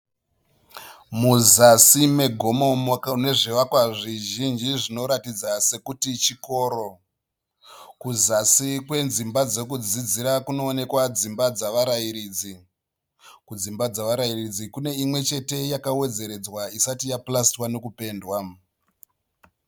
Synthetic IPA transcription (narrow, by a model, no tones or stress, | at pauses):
muzasime̞ɡʱo̞mo̞makane̞ʐiʋakwaʐiʒind͡ʒiʐino̞ɾatid͡zase̞kutit͡ʃiko̞ːɾo̞ | kuzasikwe̞nzimbad͡ze̞kud͡zid͡ziɾakuno̞ːne̞kwad͡zimbad͡zaʋaɾaiɾiːd͡zi | kud͡zimbad͡zaʋaɾairid͡zikune̞imwe̞t͡ʃe̞te̞jakawe̞d͡ze̞ɾe̞d͡zwaisatijaplastwane̞kupe̞ːndwa